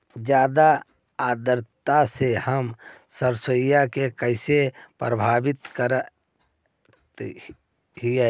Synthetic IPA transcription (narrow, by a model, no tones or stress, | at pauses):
d͡ʒjaːd̪a | aːd̪əɾt̪asehəmsəɾsojakekəɪsepɾəbʱaːbɪt̪kəɾ | t̪ | ɦiɛ